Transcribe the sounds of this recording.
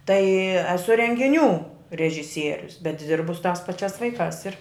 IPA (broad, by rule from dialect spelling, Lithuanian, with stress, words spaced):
tɐɪ ɛˈsʊ rʲɛŋʲɡʲɪˈnʲuː rʲɛʒʲɪˈsʲiɛrʲʊs bʲɛt ˈdʲɪrbʊ sʊ tɑːs pɐˈt͡ʃʲæːs ˈʋɐɪkɑːs ɪr